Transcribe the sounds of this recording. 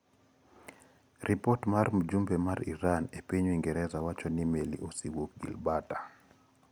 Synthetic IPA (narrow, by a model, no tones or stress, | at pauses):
rʔipɔtmarmud͡ʒumbɛmaɾḭɾanepiɲwiŋɡɛɾɛzawat͡ʃɔnimelḭʔosiwok̚ɡḭlbatḁ